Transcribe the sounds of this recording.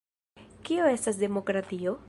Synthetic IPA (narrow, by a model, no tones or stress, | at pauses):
kioe̞stasde̞mo̞kɾatio̞